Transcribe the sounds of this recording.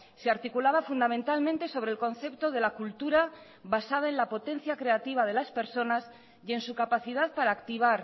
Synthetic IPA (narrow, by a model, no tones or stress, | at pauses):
seaɾt̪ikulaβafund̪amẽnt̪almẽnt̪e̞so̞β̞ɾelkõ̞nθe̞pt̪o̞ð̞e̞lakult̪uɾa | βasað̞aenlapo̞t̪ẽ̞n̟θjakɾe̞at̪iβ̞aðe̞laspe̞ɾso̞nas | je̞nsukapaθiðaðpaɾaːkt̪iβ̞aɾ